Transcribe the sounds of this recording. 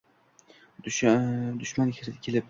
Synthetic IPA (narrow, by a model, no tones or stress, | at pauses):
d̪ʊʃmanɪkʲʰɾd̪ɪkʲʰelɪp̚